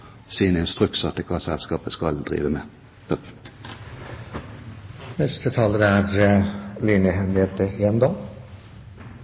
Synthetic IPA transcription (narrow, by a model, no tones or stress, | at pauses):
siːnɛnst̪ʁʉksɑt̪ːəkʰɑːsɛlskɑːpəskɑld̪ʁḭːʋəme | nɛst̪ət̪ʰɑːləɾəæɾlinəɦɛmleːt̪əeːnd̪ɑːm